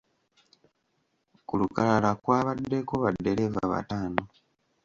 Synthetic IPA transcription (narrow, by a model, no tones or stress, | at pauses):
kulukalalakwaːβadːe̞ko̞βadːe̞levaβa̰taːno